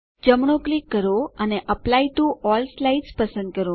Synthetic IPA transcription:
d͡ʒəmɳ̃oklikːəɾoəneʔəplaiʈuɔlslaiɖspəsə̃nd̪̚kəɾo

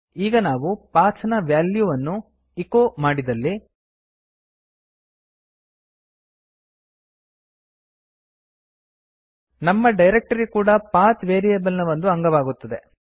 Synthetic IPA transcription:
iːɡɐnaːʋupaːt͡ʃʰɐnɐʋjaːljuʋɐnːu | ikomaːɽid̪ɐlːi | nɐmːɐɖɐjɾek̚ʈɐɾikuːɽɐpaːt̪ʋeːɾijebɐlinɐʋɐnd̪uɐŋɡɐʋaːɡut̪ːɐd̪e̞

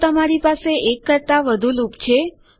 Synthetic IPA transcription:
t̪əmaɾipaseʔekːəɾt̪aʋəd̪ʱulupt͡ʃʰe

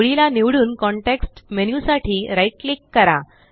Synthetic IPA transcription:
ɭilaniʋɽuːnkɔɳʈeksʈmenjusaʈʰiːɾaiʈlikːəɾa

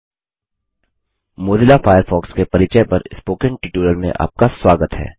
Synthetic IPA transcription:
moːd̪ɪlafaːjəɾfʰɔːkskepɐɾɪt͡ʃəjpɐɾɪspoːkə̃nʈɪʈuːɾəlmḛ̃ʔa̰ːp̚kaswaːɡət̪ɦɛ̰ː

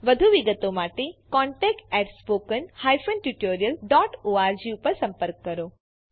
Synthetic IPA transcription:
ʋəd̪ʱuʋiɡət̪omaʈekɔɳʈɛk̚ʈɛʈspokənhajfənʈuʈoɾijəlɖɔʈoaɾd͡ʒiupəɾsə̃mpəɾkːəɾo

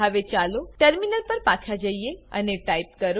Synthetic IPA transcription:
əʋet͡ʃaloʈəɾminəlpəɾpat͡ʃʰad͡ʒəijeə̰neʈaip̚kəɾ

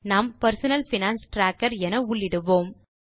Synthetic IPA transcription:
naːmpɐɾsʊnɐlfɪnaːnsʈɾaːkːɐɾɛnɐʊɭːɪɽɯʋoːm

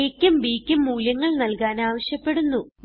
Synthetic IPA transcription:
ekʲːumbiːkʲːumːuːljɐŋːɐɭnɐlkaːnaːʋɐɕjɐpːe̞ɽunːu

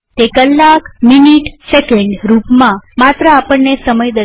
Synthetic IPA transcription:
t̪ekəlːakminiʈsekeɳɖɾupmãmat̪ɾəapəɳːesəməjd̪ə

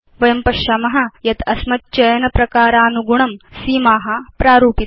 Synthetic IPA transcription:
ʋɐjɐmpɐʃjɐmɐɦɐ̆jɐt̪ɐsmɐt̪̚t͡ʃɐjɐnɐpɾɐkaːɾaːnuɡuɳɐmsiːmaːɦɐpɾaːɾuːpi

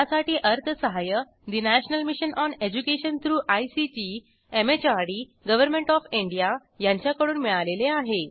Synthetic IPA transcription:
jasaʈiːʔəɾt̪ʰəsəɦajə | d̪inæɕnəlmiɕənʔɔned͡ʑukeɕənt̪ʰɾuːʔajsit͡ɕi | emet͡ɕaɾɽiɡəʋəɾmẽɳʈɔfiɳɖija | jãɲt͡ɕjakəɽuːnmiɭaleleaɦe

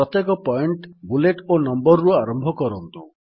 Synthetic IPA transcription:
ɔt̪jekɔpɔjɳʈbuleʈonɔmbɔɾɾuaɾɔmbʱɔkɔɾɔnt̪u

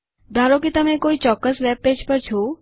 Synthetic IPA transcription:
d̪ʱaɾokit̪əmẽkoit͡ʃɔkːəsʋɛb̚ped͡ʒpəɾt͡ʃʰo

